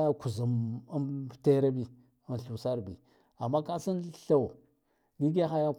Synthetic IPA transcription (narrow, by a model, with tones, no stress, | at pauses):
ja˦ku˨zu˨m˦˨ | te˦ɾa˦bi˨ | a˨n˨ɬu˨sa˦ɾbḭ˨ | a˨mːa˦ka˦si˦nɬa˦˨w | ɡi˦ɡa˦xa˦ja˦